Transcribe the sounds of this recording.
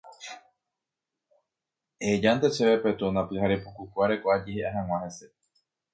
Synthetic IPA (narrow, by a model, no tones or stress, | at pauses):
ed͡ʒant̪eseβepe̞t̪unãpɨhaɾepukukʷaɾekʷoʔad͡ʒeheʔaɦãw̃ãhese